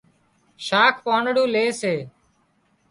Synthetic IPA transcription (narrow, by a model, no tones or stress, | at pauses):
ʃaːkʰpaːɳɽũːleːseː